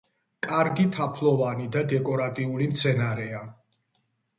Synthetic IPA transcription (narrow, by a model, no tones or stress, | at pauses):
kʼaɾɡit̪ʰapʰlˠɔvanid̪ad̪ɛkʼɔɾat̪ʼiulimt̪sʰɛnaɾɛa